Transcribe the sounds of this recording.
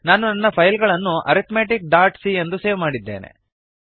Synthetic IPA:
naːnunɐnːɐpʰɐjlɡɐɭɐnːuʔɐ̰ɾit̪meːʈik̚ɖaːɾʈsiend̪useːʋmaːɽid̪ːe̞̰ːne̞̰

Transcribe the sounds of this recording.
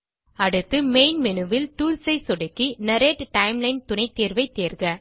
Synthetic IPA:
ɐɽɯt̪ːɯmeɪnmɛnɯʋɪlʈuːlsɐɪsɔɽɪkːinɐɾeːʈʈɐɪmlɐɪnt̪ʊnɐɪt̪ːeːɾʋɐɪt̪ːeːɾɡɐ

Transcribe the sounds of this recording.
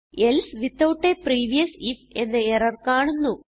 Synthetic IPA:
elsʋit̪ːɐwʈːepriːʋijɐsife̞nːɨerɐrkaːɳunːu

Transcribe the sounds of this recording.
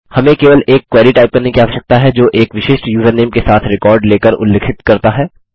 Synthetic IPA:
hɐmẽkeːʋəleːkːwɛːɾiʈaːɪp̚kɐɾnekiaːʋəʃɐk̚t̪aɦɛd͡ʒoːʔeːkʋɪʃeːʃʈjuːzəɾneːmkesaːt̪ʰɾɪkɔːɾɖleːkəɾʊ̰lːeːkʰɪt̪kɐɾt̪aɦɛː

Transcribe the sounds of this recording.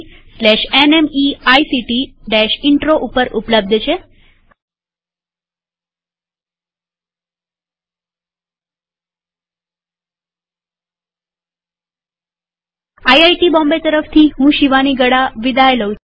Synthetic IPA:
slɛʃenemiaisiʈiɖɛʃɪɳʈɾoʔupəɾʔupləb̚d̪ʱt͡ʃʰe | ajajʈibɔ̃mbet̪əɾəft̪ʰiɦũʃiʋaniɡəɽaʋid̪ʱajləu

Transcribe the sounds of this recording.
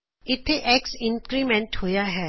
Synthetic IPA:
ɪt̪ʰeʔeːksɪ̃ŋkkɾimɛ̃ɳʈhoːjaɦɛː

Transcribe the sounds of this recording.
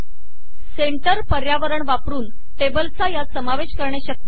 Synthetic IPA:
seɳʈəɾpəɾjaʋəɾəɳʋapɾuːn | ʈebəlt͡sajasəmaʋeɕkəɾɳjaɕək̚t̪i

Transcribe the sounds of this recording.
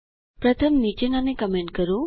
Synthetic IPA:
pɾət̪ʰəmnit͡ʃenanekəmẽɳʈ̚kəɾo

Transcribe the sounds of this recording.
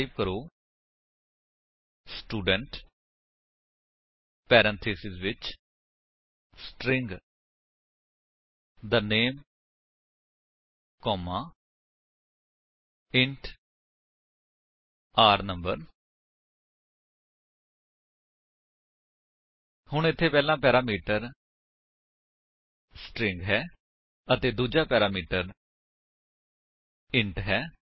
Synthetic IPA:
ibkəɾoː | sʈuːɖəɳʈ | pɛːɾə̃nt̪ʰeːsɪzʋɪt͡ʃ | sʈɾɪ̃ŋɡ | d̪əneːm | kɔːmaː | ɪɳʈ | aːɾnəmbə̰ɾ | hʊɳɪt̪ʰːeːpɛːlãːpɛːɾaːmiːʈəɾ | sʈɾɪŋɡɦɛː | ət̪eːd̪uːd͡ʒaːpɛːɾaːmiːʈəɾ | ɪɳʈɦɛː

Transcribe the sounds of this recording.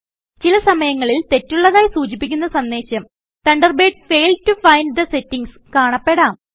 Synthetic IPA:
t͡ɕilɐsɐmɐjɐŋːɐɭilt̪e̞tːuɭːɐðaːjisuːd͡ʑip̬ːikʲːunːɐsɐnd̪e̞ːɕɐm | t̪ɐɳɖɐrbe̞ːʈ̚feːltufɐjnɖd̪ɐse̞tːiŋɡs | kaːɳɐpːe̞ɽaːm

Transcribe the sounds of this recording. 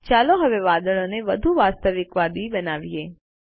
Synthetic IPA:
t͡ʃaloɦəʋeʋad̪əɭoneʋəd̪ʱuʋast̪əʋɪkʋad̪ibənaʋije

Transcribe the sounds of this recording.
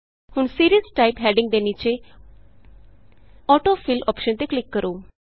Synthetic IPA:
huːɳsiɾiəsʈaipɦɛɖĩŋɡd̪enit͡ɕe | ɔʈofilɔ̰pʃənt̪eklikːəɾo

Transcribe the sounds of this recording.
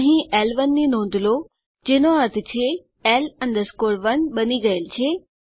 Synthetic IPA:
ɦĩʔɛːlʋənːinõːnd̪ʱlo | d͡ʑeɦnoɐɾt̪ʰɪt͡ɕʰe | ɛːlɐ̃nd̪əskoːɾʋənɓɐniɡɐelt͡ɕʰeː

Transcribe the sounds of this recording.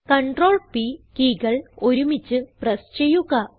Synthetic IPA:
kɐɳʈroːɭpikiːɡɐɭoɾumit͡ɕːɨprɐst͡ɕejuɣɐ

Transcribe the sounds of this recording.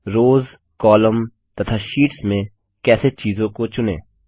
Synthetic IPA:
ɾoːz | kɔːləm | t̪ɐt̪ʰaʃiːʈsmẽ | kɛːset͡ʃiːzõkot͡ʃʊnḛ̃ː

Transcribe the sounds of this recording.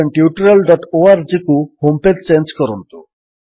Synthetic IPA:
eɳʈjuʈɾelɖɔʈoaɾd͡ʒikuhomped̪̚t͡ʃenskɔɾɔnt̪u

